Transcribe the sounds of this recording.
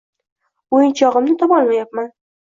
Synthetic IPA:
ojɪnt͡ʃʰɒʁɨmnɪt̪ʰɒpɒlˠmajap̚man

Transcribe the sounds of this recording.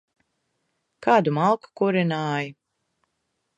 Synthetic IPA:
kaːd̪umalˠku̥kuɾinaːji

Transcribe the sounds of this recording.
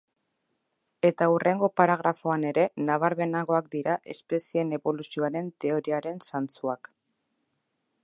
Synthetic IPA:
e̞t̪aurʔe̞ŋɡo̞paɾaɣ̞ɾafo̞ane̞ɾe̞naβ̞aɾβe̞naɣo̞akd̪iɾaʔe̞̰spe̞sie̞ne̞βo̞lusio̞aɾe̞nt̪e̞o̞ɾiaɾe̞nsant͡suak

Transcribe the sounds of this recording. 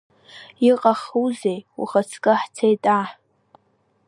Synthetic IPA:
iqʼaχuzejṵχat͡sʰkʼɨħt͡sʰejtʼaħ

